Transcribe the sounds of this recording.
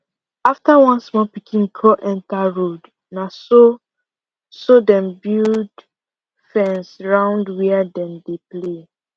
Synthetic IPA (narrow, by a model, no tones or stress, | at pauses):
aftawãnsmɔpikʰĩnkʰɔʔɛ̃ntaɹod | naso | sɔdɛ̃mbild | fɛ̃nsɹãʊ̃ndwɛadɛ̃mdeple